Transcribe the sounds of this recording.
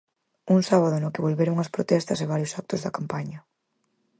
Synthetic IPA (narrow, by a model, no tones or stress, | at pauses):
uŋsaβ̞aðʊnʊkɪβolβeɾʊŋɐspɾot̪ɛst̪ɐseβ̞aɾjʊsak̚t̪ʊzðɐkampaɲɐ